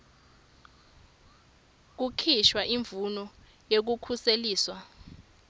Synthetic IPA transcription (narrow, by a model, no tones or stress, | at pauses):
k̬ukʰiʃwaʔiɱvunɔ | jek̬ukʰuseliːswa